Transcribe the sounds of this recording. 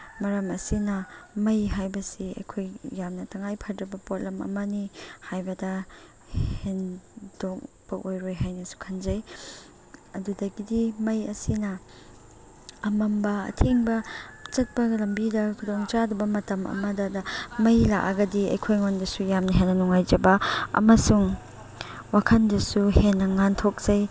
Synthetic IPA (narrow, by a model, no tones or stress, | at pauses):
mɐɾɐmɐsinɐmɐjɦajbɐsiɐ̰jkʰojːamnɐtʰɐŋajpʰɐɾdɾɐbɐpot̚lɐmɐ̰mɐnihajbɐdɐ | hendok̚ | b̥ɐʔojɾojɦajnɐsu̥kʰanzɐj | ɐdudɐɡidimɐjɐsinɐ | ɐmɐmbɐɐ̰tʰeŋbɐt͡ʃɐt̚pɐlɐmbidɐkʰudoŋt͡ʃadubɐmɐtɐmɐ̰mɐdɐdɐmɐjlakɐɡɐdiɐ̰jkʰojŋondɐsujamnɐɦenːɐnuŋajd͡ʒɐbɐɐ̰mɐsuŋ | wakʰɐndɐsuhenːɐŋantʰok̚z̥ɐj